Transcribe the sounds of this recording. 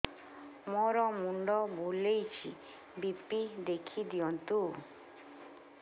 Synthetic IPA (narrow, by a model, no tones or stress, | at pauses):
moɾɔmuɳɖɔbolejt͡ʃʰḭ | bipid̪ekʰid̪iɔnt̪u